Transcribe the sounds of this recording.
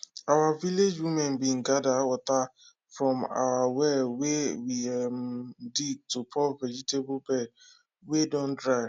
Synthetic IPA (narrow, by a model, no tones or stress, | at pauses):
awaviled͡ʒwimɛ̃nbin̩ɡadawɔta | fɾɔ̃ma̰wawɛwewiɛmdiɡ̚tupʰɔvɛd͡ʒitebʊbɛd̚ | wedɔ̃ndɹaɪ